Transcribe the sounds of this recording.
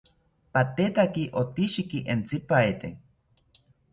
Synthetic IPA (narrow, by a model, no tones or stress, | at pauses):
pat̪et̪akiʔot̪iʃikiʔent͡sipaet̪e